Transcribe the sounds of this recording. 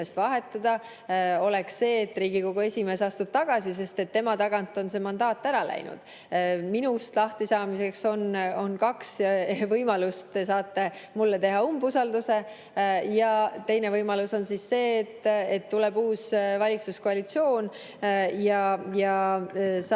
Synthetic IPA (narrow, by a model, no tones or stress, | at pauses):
est̪vɑɦe̞t̪ːˑɑd̪ɑ | o̞le̞ksse̞ːt̪ːˑriːɡ̥iko̞ɡ̥ue̞sʲime̞ːsɑst̪ub̥t̪ɑɡ̥ɑsis̬e̞st̪e̞t̪ːe̞mɑt̪ɑɡ̥ɑnt̪ːˑo̞nse̞ːmɑnd̪ɑːt̪ːˑæɾɑlæ̰jnṵd̪̥ | minust̪lɑht̪isɑːmise̞kso̞no̞nkɑksvɤjmɑlust̪es̬ɑːt̪ːe̞mulːe̞t̪e̞ɦɑumbusɑld̪use̞ | jɑt̪e̞jnevɤjmɑluso̞nsisse̞ːt̪ːet̪ːulebuːsvɑlʲitsuskoɑlit̪sio̞ːn | jɑjɑ | s